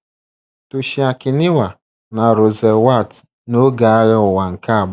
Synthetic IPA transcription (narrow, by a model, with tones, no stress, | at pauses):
tu˨ʃi˨a˨kɪ˨nɪ˦wa˨ | na˨ɾo˨ze˨wa˦˨t | no˦ɡa˨a˦ɣɪ˦ʊ˨wa˨ŋ̩˨ka˦a˨b